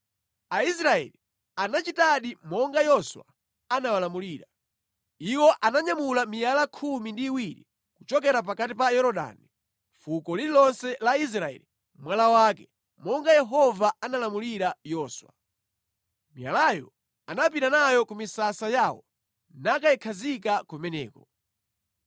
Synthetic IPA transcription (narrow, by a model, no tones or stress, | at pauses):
aisɾaɛ̰li | anat͡ʃitaɗimɔŋɡajɔswa̰ | anawalamuliːɾa | iwɔʔanaɲamulamijalakʰumindiːwiɾi | kut͡ʃɔkɛɾap̬akatipajɔɾɔɗa̰ːni | fukɔliɾilɔnsɛlais̬ɾaɛ̰li | mwalawaːkɛ | mɔŋɡajɛɦɔvaanalamuliɾajɔːswa̰ | mija̰lajɔ | anap̬inanajɔkumisasajaːwɔ | nakaɛkʰazikakɔmɛnɛ̰ːkɔ